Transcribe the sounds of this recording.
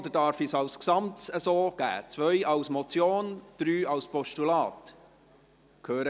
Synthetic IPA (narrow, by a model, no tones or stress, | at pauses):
d̪ədɑːɾfisɑlsksɑmtsəsoːɡ̥æ̰ːt͡sʋœʏʔɑʊsmɔt͡sjoːnd̪̥ɾyːɑlspɔʃtulɑːt | kʰøːɾə